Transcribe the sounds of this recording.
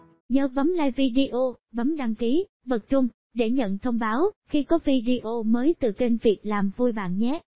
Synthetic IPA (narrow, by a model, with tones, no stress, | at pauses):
ɲəː˨˦və˨˦mlaː˧jvi˧ɗi˧ʔo˧ | və˨˦mɗa˧ŋki˨˦ | ɓə˨˩t̚t͡ɕʊ˧ŋ͡m | ɗe˧˩ɲə̰˧˨nt̪ʰə˧wŋ͡mɓaː˨˦wxi˧kɔ˨˦vi˧ɗi˧ʔo˧məː˨˦jt̪ɨ˨˩t͡ɕe˧nvi˨˩ək̚laː˨˩mvu˧jɓa̰ː˧˨nɲɛ˦˥